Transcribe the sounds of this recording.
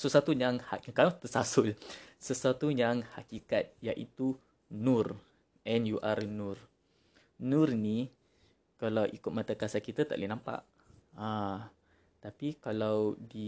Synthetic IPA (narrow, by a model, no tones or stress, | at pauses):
səswat̪ujaŋhakaat̪əsasʊlsəsuat̪ujaŋhakikat̪̚jaʔḭt̪u | nur | ʔɛnjuʔarnʊr | nurni | kalawʔikʊt̪̚mat̪akasakit̪at̪a̰ʔlinãmpa̰ʔ | a | t̪apikalawdi